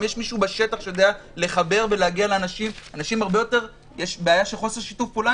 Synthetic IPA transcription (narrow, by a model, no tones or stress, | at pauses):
mjeʃmiʃubaʃe̞t̪aχʃejo̞d̪ea | le̞χabe̞ʁveleaɡialeːnaʃimanaʃimhaʁbejo̞te̞ʁ | jeʃbeajaʃelχo̞seʁʃitufpola